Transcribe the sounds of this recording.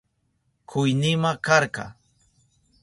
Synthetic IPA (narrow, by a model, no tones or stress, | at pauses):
kʰʊjnɪmakɑɾkɑ̰